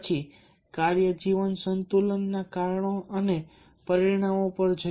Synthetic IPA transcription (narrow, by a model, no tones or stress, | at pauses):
t͡ʃʰi | kaɾjəd͡ʒiʋənsənt̪ulənːakaɾɳoʔəne | pəɾiɾɽ̃amopəɾd͡ʒ